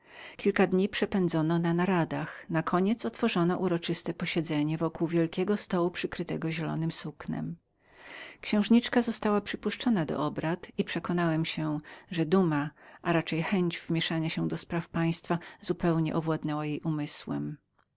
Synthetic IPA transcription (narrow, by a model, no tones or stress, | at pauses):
kʲilkad̪ɲipʂɛpɛnd̪zɔnɔnanaɾad̪axnakʰɔɲɛt̪sɔt̪fɔʐɔnɔʔuɾɔt͡ʂɘst̪ɛpɔɕɛd̪zɛɲɛvɔkuwvʲjɛlkʲɛɡɔst̪ɔwupʂɘkɾɘt̪ɛɡɔʑɛlɔ̰nɘmsuknɛ̰m | kɕɛ̃w̃ʐɲit͡ʂkazɔst̪awapʂɘpuʂt͡ʂɔnad̪ɔ̰ʔɔbɾat̪ipʂɛkɔnawɛmɕɛʐɛd̪umaʔaɾat͡ʂɛjxɛɲd͡ʑvmʲjɛʂaɲaɕɛ̃d̪ɔspɾafpaj̃st̪fazupɛwɲɛ̰ʔɔvwad̪nɛwajejʔumɘswɛ̰m